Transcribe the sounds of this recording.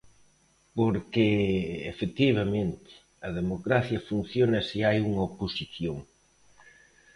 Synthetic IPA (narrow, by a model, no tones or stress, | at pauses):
poɾkeḛfet̪iβɐmẽnt̪ɪ̥ | ɐð̞emokɾaθjɐfun̟θjonɐsiajuŋɐoposiθjoŋ